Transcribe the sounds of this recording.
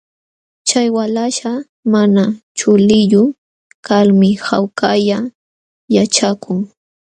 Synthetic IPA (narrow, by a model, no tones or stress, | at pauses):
t͡ʃajwalaʃa | manat͡ʃʊlɪʎʊ | kalmɪha̰wkaja | jat͡ʃakʰʊŋ